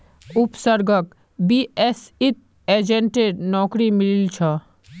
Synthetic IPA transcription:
ʊpsəɾɡək | biesit̪̚ | eːd͡ʒẽɳʈeɾnɔːkɾimɪlilt͡ʃʰɔ

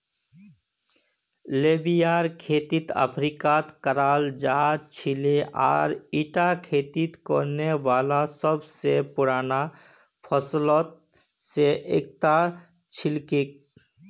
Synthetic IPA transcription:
lebijaːɾkʰeːt̪it̪ə̰pʰɾikat̪kəɾaːld͡ʒaɦadt͡ʃʰileʔa̰ːɾiʈakʰeːt̪it̪kɔɾneʋaːlasəbsepʊɾaːna | pʰəslɔt̪̚ | seʔeːk̚t̪a | t͡ʃʰɪlkik̚

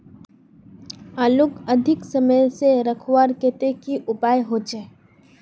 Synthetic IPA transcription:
aːlʊkɐd̪ʱɪksɐməjseɾɐkʰwaːɾkeːt̪ekiʔʊpaːjɦoːt͡ʃeː

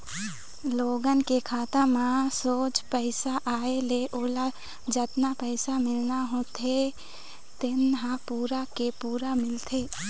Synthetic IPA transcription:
loːɡənkekʰaːt̪əmãsoːt͡ʃpəɪsaʔaːeleʔoːla | d͡ʒət̪napəɪsamɪlnaɦõt̪ʰe | t̪ɪnɦãpuːɾakepuːɾamɪlt̪ʰeː

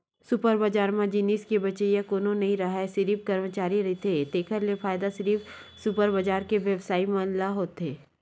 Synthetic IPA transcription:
sʊpəɾbəd͡ʒaːɾmãd͡ʒiːniːskebɐt͡ʃejãkoːnõnɐɦĩɾɐɦaesɐɾiːfkɐɾmət͡ʃaːɾiɾɐɦit̪ed̪eːkʰəɾlefaːjd̪aʃəɾiːfsʊpəɾbəd͡ʒaːɾkeʋjɐʋsaːimãːnlaɦoːt̪ɦeː

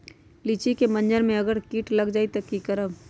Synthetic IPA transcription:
lit͡ʃikemɐ̃nd͡ʒəɾmẽɐɡəɾkiːʈlɐɡd͡ʒaːit̪ɐkːikɐɾəb

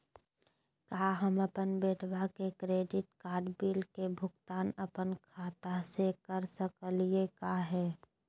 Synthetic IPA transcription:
kaːɦəməpənbeːʈʰwakekɾeːɖɪʈkaːɾɖbiːlkebʱʊɡt̪aːnəpənkʰaːt̪asekəɾsəkəliekaɦɛː

